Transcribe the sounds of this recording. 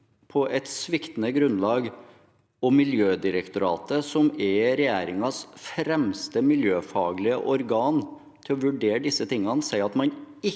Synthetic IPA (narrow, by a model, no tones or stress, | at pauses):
pʰɔʔɛt̪sʋɪkt̪n̩əɡɾʉnːlɑːɡ | ɔmɪljøːd̪ɪɾəkt̪ʊɾɑ̰ːt̪əsɔmɛɾɛjæːɾɪŋɑsfɾɛmst̪əmɪljøːfɑ̰ːɡlɪəʔɔɾɡɑːn | t̪ʰɪlɔʋʉɖeːɾɖ̪ɪsːət̪ʰɪŋːɑnsæɪɑt̪mɑnɪ